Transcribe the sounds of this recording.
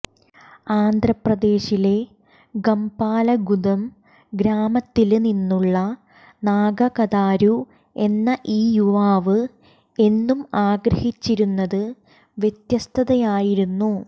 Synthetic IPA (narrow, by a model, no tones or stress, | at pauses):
aːnd̪ʱrɐprɐd̪e̞ːɕile̞ | ɡɐmpaːlɐɡud̪ɐm | ɡɾaːmɐt̪ːilninːuɭːɐ | naːɡɐkɐðaːɾu | e̞nːɐʔiːjuʋaːʋɨ | e̞nːumaːɡɾɐhit͡ɕːiɾunːɐðɨ | ʋjet̪jɐst̪ʰɐðɐjaːjiɾunːu